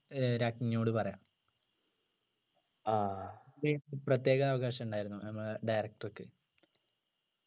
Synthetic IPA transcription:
ɾaːkɲjoːɽɨpɐrɐjaːm | adeprɐt̪ːje̞ːɣɐːʋɐɣaːɕɐmuɳɖaːjiɾunːunɐmːɐɭɖɐjɾɐk̚ʈrokːɨ

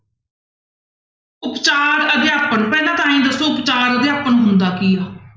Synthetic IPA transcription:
ʊpt͡ʃaːɾəd̪eaːpənpɛːlãːt̪ʰãːĩːd̪əsːoːʊpt͡ʃaːɾəd̪eːaːpənɦʊnd̪aːkiːaː

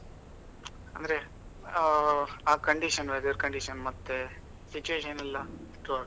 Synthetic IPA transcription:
ɐ̰nd̪ɾe | aːkɐɳɖiʃɐnʋed̪ɐɾkɐɳɖiʂɐnmɐt̪ːe | sit͡ʃueːʃɐnɛlːɐʈɾuaːɡ

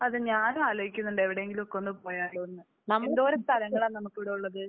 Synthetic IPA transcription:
ɐðɨɲaːnaːloːɦikʲːunːuɳɖɨeʋiɽeeŋɡilumokːonːɨpo̞ːjaːɭːoenːɨ | nɐenɖo̞ɾust̪ʰɐlɐŋːɐɭaːnɐmukːɨʋiɽɐjuɭːɐðɨ

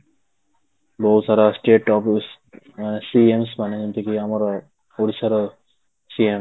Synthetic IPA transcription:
bowt̪saɾasʈeʈɔps | manesiemsmaned͡ʒunt̪ʰekiamaɾa | oɽisaɾa | siem

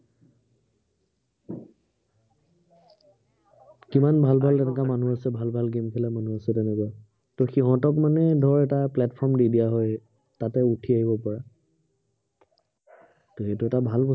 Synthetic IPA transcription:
kimanbʱalbʱaltɛnɛkamanuasɛbʱalbʱalɡemkʰɛlamanuasɛtɛnɛkwa | tɔxiɦɔ̃tɔkmanɛdʱɔɹɛtaplɛtpʰɔɹmdidiaɦɔj | tatɛutʰiaɦibɔpɔɹa | tɔhetuɛtabʱalkɔ

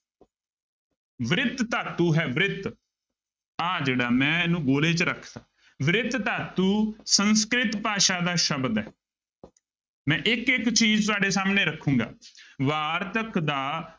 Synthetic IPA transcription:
ʋɾɪt̪t̪aːt̪ːuːɦɛːʋɪɾɪt̪ | aːd͡ʒeːɽaːmɛ̃ːnũːɡoːleːt͡ʃɾəkʰd̪aː | ʋɪɾɪt̪t̪aːt̪uːsənskɾɪt̪paːʃaːd̪aːʃəbd̪ɛː | mɛ̃ːʔɪkɪkt͡ʃiːzt̪ʊaːɖeːsaːmnẽːɾəkʰːũːŋɡa̰ːʋaːɾt̪əkd̪aː

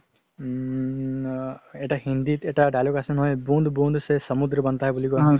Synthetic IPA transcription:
eʈahĩnd̪it̪eʈaɖajlokesənɦɔjbũnd̪ʱbũnd̪ʱsesəmud̪ɾəbənt̪aɦɛbulikɔ̃

